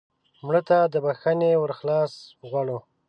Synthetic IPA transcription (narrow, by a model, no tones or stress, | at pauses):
mɽət̪ad̪əbaxanewəɾxlɑsɣwaɽo